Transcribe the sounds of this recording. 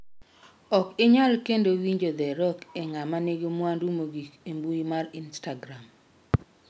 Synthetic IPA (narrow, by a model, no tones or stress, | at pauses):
ɔkɪɲalkendowiɲd͡ʒod̪ɛɾɔkɛŋamaneɡemwandumoɡikembuimarinstaɡɾam